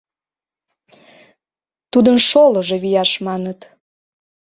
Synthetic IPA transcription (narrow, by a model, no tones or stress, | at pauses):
t̪ud̪ənʃoləʒeβijɑʃmɑnət̪